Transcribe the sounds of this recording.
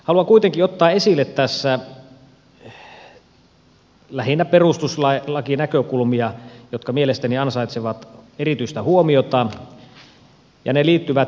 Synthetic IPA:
hɑluɑŋkuit̪eŋkiot̪ːɑːesilːˑet̪tæsːæ | læhinːæperust̪uslɑlɑkinækøkulmiɑjot̪kɑmielest̪æniɑnsɑit̪seʋɑt̪erit̪yist̪æhuomiot̪ɑ | jɑ̰neliːt̪ːyʋæt̪

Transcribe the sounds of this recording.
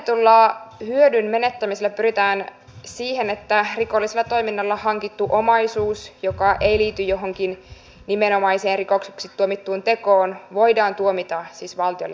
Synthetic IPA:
t̪ulːɑːhyødynme̞net̪ːæmiselːæpyɾit̪æːn | siːhenet̪ːærikolːiselːɑt̪o̞jminːɑlːɑhɑŋkit̪ːuʔomɑjsuːsjokɑʔe̞iliːt̪yjo̞ɦoŋkin | nimeno̞mɑiseːnrikokseksit̪ːuomit̪ːuːnt̪e̞koːnʋo̞jdɑːnt̪uomit̪ɑsiːsʋɑlt̪iolːe

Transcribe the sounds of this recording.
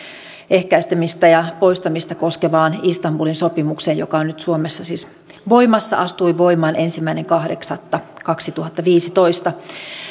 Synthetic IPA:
ehkæist̪æmist̪æjɑpo̞ist̪ɑmist̪ɑko̞skeʋɑːnist̪ɑmbulinso̞pimukseːjjo̰kɑonnyt̪suomesːɑsiːs | ʋo̞imɑsːɑ̰ʔɑst̪uiʋo̞imɑːnʔensimːæineŋkɑhdeksɑt̪ːɑkɑksit̪uhɑt̪ːɑʋiːsit̪oist̪ɑ

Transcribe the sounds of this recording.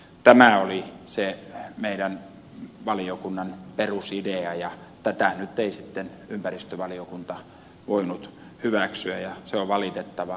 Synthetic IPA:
t̪æmæolisemeiɾæn | ʋɑliokunːɑnperusideɑjɑ | t̪æt̪ænyt̪ːeisit̪ːen | ympærist̪øʋɑliokunt̪ɑ | ʋoinut̪ | hyʋæksyæjɑseoʋʋɑlit̪et̪ːɑʋɑ

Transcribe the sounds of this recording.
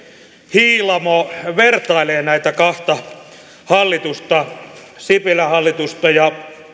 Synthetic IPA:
hiːlɑmoʋert̪ɑileːnæit̪ækɑht̪ɑ | hɑlːit̪ust̪ɑ | sipilæhɑlːit̪ust̪ɑjɑ

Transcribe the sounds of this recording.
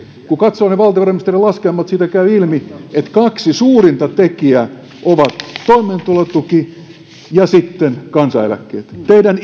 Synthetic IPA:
kukɑt̪soːneʋɑlt̪ɑʋɑremist̪erilɑskeːmːɑt̪siːt̪ækæyilmiet̪kɑksisuːrint̪ɑt̪ekiæ | ʔoʋɑt̪toimˑent̪ulot̪ːuki | jɑsit̪ːenkɑnsɑḛlæ̰kːḛːt̪t̪eidæn

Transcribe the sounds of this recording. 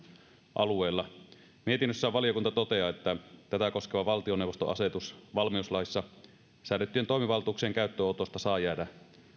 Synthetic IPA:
ʔɑlueˑːlːɑ | miet̪inːøsːæʋɑlijokunt̪ɑt̪ot̪eɑːet̪ːæt̪æt̪æko̞skeʋɑʋɑlt̪ionewʋost̪o̰ʔɑ̰set̪usʋɑlmiuslɑisːɑ | sæːˑnet̪ːyieːnt̪o̞imiʋɑlt̪uːkseːŋkæˑyt̪ːøot̪ost̪ɑsɑːjæːdæ

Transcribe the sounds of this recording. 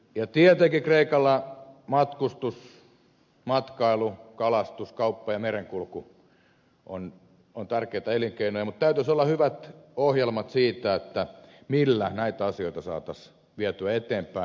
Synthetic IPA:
jɑt̪iɛt̪ekikreikɑlːɑmɑt̪kust̪us | mɑt̪kɑilukɑlɑst̪uskɑupːɑjɑmereŋkulku | ʔo̰n | ont̪ærkeit̪ɑeliŋkeinojɑmut̪t̪æyt̪ysolːɑhyʋæt̪ohjelmɑt̪siːt̪æet̪ːæ | milːænæit̪æɑsioit̪ɑsɑ̰ːt̪ɑs | ʋiæt̪yæet̪eːmpæi

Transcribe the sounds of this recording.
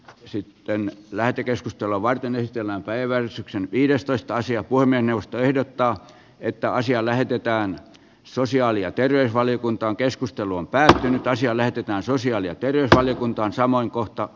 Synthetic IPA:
sit̪ːenlæht̪ekeskust̪elːˑoʋʋɑrt̪enesit̪elːæːmpæiʋæʋærsyksenʋiːdest̪oist̪ɑɑsiɑpuhemːiesneʋˑost̪oehdot̪ːɑː | et̪ːæɑsiɑlæhet̪et̪æːn | sosiɑːliɑt̪erʋeysʋɑlijokunt̪ɑːŋkeskust̪eluompæːt̪ːynyt̪ɑsiɑlæhet̪et̪æːnsosiɑːliɑt̪erʋeysʋɑlijokunt̪ɑːnsɑmoiŋkoht̪ɑ

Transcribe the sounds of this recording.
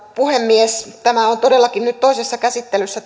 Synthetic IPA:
puhemːiest̪æmæont̪odelːɑkinnyt̪t̪ːoisesːɑkæsit̪ːelysːæ

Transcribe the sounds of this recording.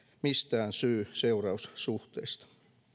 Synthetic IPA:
mist̪æːnsyːseurɑussuht̪eist̪ɑ̥

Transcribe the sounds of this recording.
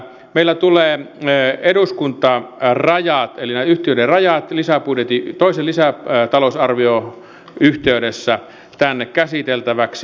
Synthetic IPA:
meilːæt̪uleː | eduskunt̪ɑrɑjɑt̪elinæyht̪iøˑderɑjɑt̪lisæpudjet̪it̪oˑiselisæt̪ɑlosɑrʋio | yht̪eydesːæ | t̪ænːekkæsit̪elt̪æʋæksi

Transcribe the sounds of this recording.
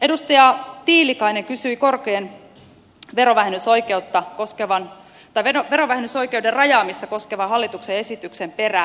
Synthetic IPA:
edust̪ɑjɑt̪iːlikɑineŋkysyiko̞rkeːn | ʋe̞ɾoʋæɦenːysojkeut̪ːɑkoskeʋɑn | t̪ɑiʋeoʋeɾoʋæhenːyso̞jkeuderrɑjɑːmist̪ɑko̞skeʋɑɦɑlːit̪uksee̞sit̪yksempe̞ræ

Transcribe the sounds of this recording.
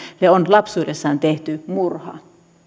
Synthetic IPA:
leonlɑpsuːdesːɑːnt̪eht̪ymurhɑ̰

